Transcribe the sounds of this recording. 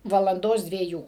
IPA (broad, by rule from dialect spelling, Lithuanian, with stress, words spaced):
ʋɐlˠɐnˈdoːs dʲʋʲiɛˈjuː